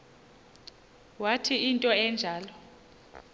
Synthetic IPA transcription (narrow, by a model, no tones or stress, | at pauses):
watʰiintʼɔɛnd͡ʒʱaːlɔ